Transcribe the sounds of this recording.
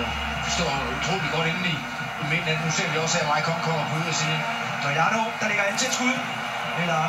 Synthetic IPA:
sd̥ɒ̰ːut͡sʰʁo̝̰ːli̥ɡ̥ɒ̽ɾ̥enli | menædnuse̝ɐ̰ʋiɒ̽sæɐmɑ̈ɪkʰɒ̽ŋ̰kʰɒ̽m̰ɐb̥ʰuð̩̰ˠɐsiː | d̥ɒjɑɾod̥ɑ̈leɡ̥ɐent͡sʰe̝sʰɡ̥uðˠ | elɐ

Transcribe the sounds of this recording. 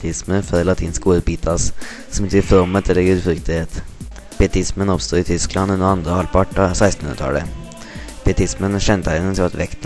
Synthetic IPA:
t̪ʰɪsməfœɾlɑt̪ʰiːnskoːɾbiːt̪ʰas | sɔmɪt̪ʰʏfɾɔmːət̪ʰɛlːəɡʉːd̪fɾʏkt̪əɪheːt̪ | b̥iɛt̪ɪsmənɔpst̪oːɪt̪ʰʏsklɑnd̪ʉnd̪əɾɑnd̪ɾəhɑlpʰɑʈːɑsæɪst̪n̩ʉənət̪ʰɑ̰ːlə | b̥ɪɛt̪ɪsmənɕɛnt̪ʰæɪnənsʰʋat̪ʋɛkt̪

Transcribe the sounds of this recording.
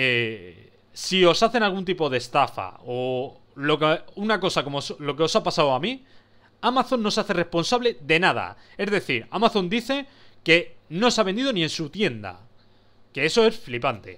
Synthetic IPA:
e | sio̞saθe̞nalɣunt̪ipo̞ð̞e̞st̪afa̰o | lo̞keunako̞sako̞moslo̞ke̞o̞sapasawami | amaθo̞nːo̞saθe̞re̞sponsaβle̞ðe̞nað̞a̰e̞zðe̞θiɾamaθo̞nd̪iθe̞ | ke̞no̞saβend̪iðo̞nĩe̞nsut̪je̞nd̪a̰ | ke̞e̞so̞e̞sflipant̪e̞̰

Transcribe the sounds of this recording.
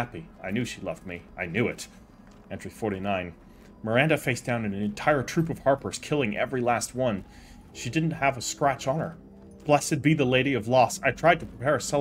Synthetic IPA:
æpiaɪnjʉʃilɛ̰vd̚miʔaɪnjʉɪɾ | ɛ̃ntɹ̥ifɔɹɾinãɪ̃n | mə˞æ̃ndɨfeɪsd̥ãʊ̃nɨ̃nɨ̃nɨ̃ntʰaɪə˞tʰɹ̥ʉpʌv̥hɑɹpə˞z̥kʰɪlˠɪ̃ŋʔɛ̰vɹilæst̚wʌ̃n | ʃidɪdⁿn̩t̚həvəskɹæt͡ʃn̩ə˞ | b̥lɛsɨd̚biðəleɪɾiʌvlɔsaɪtʰɹ̥aɪd̚tʰɨpʰɹ̥ipʰɛɹɨsɛ

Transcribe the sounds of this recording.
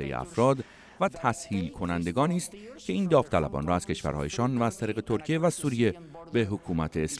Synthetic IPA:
ḛjḛæ̰fɾɒːd̪ | væt̪ʰæshiːlkʰo̞nænd̪e̞ɡɒːniːst̪cʰe̞iːnd̪ɒːft̪ʰælæ̰bɒ̰ːnrɒːæz̥kcʰeʃvæ̰ɾhɒ̰ːje̞ʃɒːnvæːz̥t̪ʰæɾiːɣe̞t̪ʰo̞ɾcʰijevæsuːɾije̞ | be̞ɦokʰuːmæt̪ʰeːs

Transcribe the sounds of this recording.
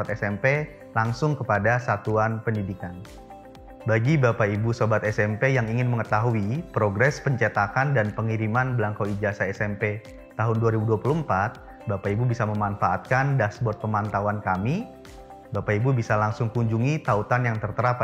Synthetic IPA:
at̪ɛsɛmpe | laŋsʊŋkəpadasat̪uanpəndidikan | baɡibapaibusobat̪ɛsɛmpejaŋiŋɪnməŋət̪aɦuipɾoɡɾɛspəɲt͡ʃɛt̪akandanpəŋiɾimanbəlaŋkawid͡ʒasaɛsɛmpe | t̪aɦʊnduaɾibuduapuluəmpat̪̚ | bapaibubisaməmanfaːt̪̚kandasbɔt̪̚pəmant̪awankami | bapaibubisalaŋsʊŋkuɲd͡ʒuŋit̪aut̪anjaŋt̪ərt̪əɾap

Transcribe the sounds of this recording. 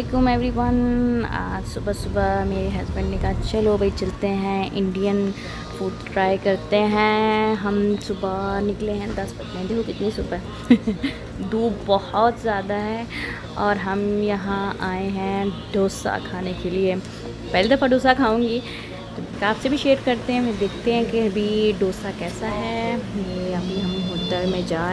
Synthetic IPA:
d̪eːkomɛ̃ɛʋɾiʋaːna̰sʊbəsʊbameːɾiɦɐzbə̃ɳɖnekɐɦat͡ʃɐlobʱɐit͡ʃɐlt̪eɦɛ̃ʔɪ̃ɳɖijən | fuːɖʈɾaːjkɐɾt̪eɦɛ̃ɦɐmsʊbanɪkleɦɛ̃d̪ɐspɐt͡ʃmɛ̃d̪eːkʰokɪt̪nisʊbɦɛ | d̪uːbɔhɔt̪zjaːd̪aɦɛː | ɔːɾɦɐmjɐɦãaːeɦɛ̃ɖoːsa̰kʰaːnekelie | pɛɦled̪ɾpʰãɖoːsakʰaːũːŋɡiː | t̪okaːfsebʱiʃeːɾkɐɾt̪eɦɛ̃ʋed̪eːkʰt̪eɦɛ̃keɐbʱiɖoːsakɛːsaɦɛjeɐbʱiɦɐmɦʊt̪əɾmẽd͡ʒaː

